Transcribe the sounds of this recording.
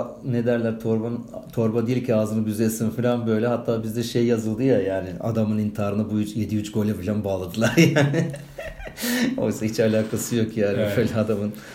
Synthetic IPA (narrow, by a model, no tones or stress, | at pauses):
ne̞d̪æɾlʲæɾt̪ʰoɾbant̪ʰo̞ɾbad̪ijilʲcʰiaːzɯnbyzesinfilʲanbø̞jlʲɛɦat̪ʰːaːbizd̪ɛʃe̞jːazɯlˠd̪ɯjajaːnɪa̰d̪amɯnint̪ʰaːɾɯnabujyt͡ʃje̞d̪iyt͡ʃɡo̞lʲɛfilʲanbaːlˠad̪ɯlˠaɾjaːnɪ | o̞̰jsait͡ʃalʲaːkʰasɯjo̞kjaːnibø̞jlʲɛad̪amɯn